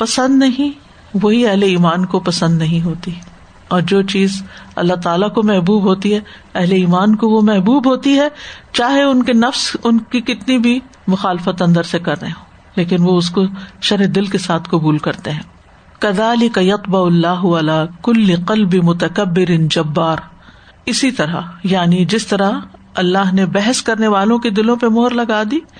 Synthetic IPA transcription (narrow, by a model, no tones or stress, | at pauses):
pɐsə̃nd̪nɐɦĩ | ʋoɦiɛɦleiːmaːnkopɐsə̃nd̪nɐɦĩɦoːt̪iɛ | ɔːɾd͡ʒoːt͡ʃiːzɐ̰lːat̪aːlakomɛɦbuːbɦoːt̪iɦɛ | ɛɦleiːmaːnkoʋomɛɦbuːbɦoːt̪iɦɛːt͡ʃaːɦeʊnkenɐfsʊnkikɪt̪nibʱi | mʊxaːlɪfət̪ɐ̃nd̪əɾsekɐɾːəẽɦoː | leːkɪnʋoʊskoʃɐɾed̪ɪlkesaːt̪ʰqɐbuːlkɐɾt̪eɦɛ̃ː | kɐðaːlɪkɐjɐt̪bɐʊɐlːaːɦʊɐlaːkʊlːɪqɐlbɪmʊt̪ɐkɐbːɪɾɪnd͡ʒɐbːaːɾ | ɪsit̪ɐɾa̰jaːnid͡ʒɪst̪ɐɾaɐlːaɦnebɛɦɛskɐɾneʋaːlõked̪ɪlõpemoːɾlɐɡaːd̪iː